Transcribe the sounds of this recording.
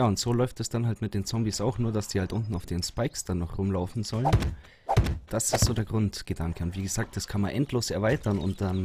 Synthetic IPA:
jaːʊntz̥oːlɔʏftɛsd̥anɦaltmɪt̚d̥eːnt͡sɔmbisaʊxnuːɐd̥asd̥iːhaltʔʊntn̩aʊfd̥eːnspaɪksd̥anːɔχʁʊmlaʊfn̩zɔlən | d̥asɪstz̥oːdeːɐɡʁʊntɡ̥ədaŋkəʊntv̥iːɡəz̥aːk̚t̚d̥askʰanmanʔɛntloːsɛɐvaɪtɐnʊ̰nt̚d̥an

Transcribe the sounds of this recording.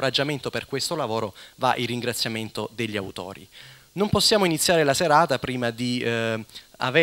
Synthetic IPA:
ɾad͡ʒːament̪operkwest̪olavoːɾova̰ʔilːiŋɡɾat̪sːjament̪od̪eʎːiawt̪ɔ̰ːɾḭ | nomposːjaːmoinit̪sːjaːɾelaseɾaːt̪apɾiːmad̪i | a̰ve

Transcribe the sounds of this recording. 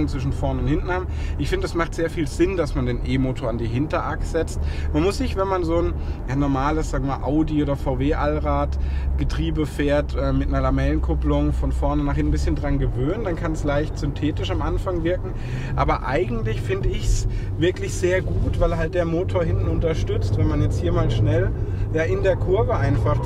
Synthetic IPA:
nt͡sɪʃn̩fɔɐnʊnthɪntn̩haːbm | ʔɪçfɪndəɛsmaχtz̥eːɐfiːlz̥ɪndasmandeːnʔeːmoːtʰoːɐandiːɦɪntɐʔakz̥ɛt͡stmanmʊsz̥ɪçv̥ɛnmanzoːn | jaːnɔɐmaːləszaːɡŋəmaːʔaʊdioːdɐfaʊveːʔalʁaːtɡ̥ətʁ̥iːbəfeːɐtʔɛːmɪtnɐlamɛlənkʰʊplʊŋfɔnfɔɐnənaχhɪnbɪsçəndʁanɡəvøːnəndankʰanslaɪçtz̥ʏntʰeːtɪʃamʔanfaŋvɪɐkŋ̩ | ʔa̰ːbɐʔa̰ɪɡŋ̩tlɪçfɪndəɪçs | vɪɐklɪçz̥eːɐɡuːtv̥aɪlɦalt̚d̥eːɐmoːtʰoːɐɦɪntn̩ʊntɐʃtʏt͡stv̥ɛnmanjɛt͡sthiːɐmaːlʃnɛljaːʔɪndeːɐkʰʊɐvəʔaɪnfaχ

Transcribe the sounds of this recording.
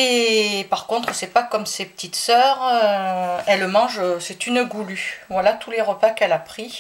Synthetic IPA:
epaʁkɔ̃t̪χəsɛpakɔmsepə̥t̪it̪sœʁø | ɛlmɑ̃ʒsɛt̪ynɡulyvwalat̪uleʁəpakɛlapχi

